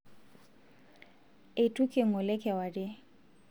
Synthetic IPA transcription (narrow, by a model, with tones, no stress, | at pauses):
e˨tʼu˦kʰʼɪ˦˨ŋ̩ɔ˨lɛ˦kʰʼɛ˨wa˨dɪ˦